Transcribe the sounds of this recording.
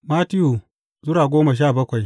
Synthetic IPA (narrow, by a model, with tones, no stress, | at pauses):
ma˦ti˦ju˨ | zʊ˦ɾaː˨ɡʷoː˦ma˨ʃ̬a˦˨bɐ˦kʷa˨j